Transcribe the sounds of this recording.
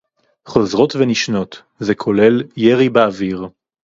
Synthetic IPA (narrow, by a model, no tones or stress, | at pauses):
χo̞zʁo̞tveniʃno̞t̪ | zekʰo̞le̞ljeʁibeaviʁ